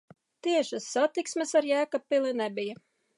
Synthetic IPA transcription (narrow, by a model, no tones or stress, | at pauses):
t̪iɛʃasːat̪iksmesaɾjæːkapilˠinɛbija